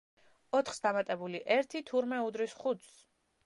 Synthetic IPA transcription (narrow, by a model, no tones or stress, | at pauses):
ɔt̪ʰχsd̪amat̪ʼɛbuliʔɛɾt̪ʰit̪ʰuɾmɛud̪ɾisχut̪s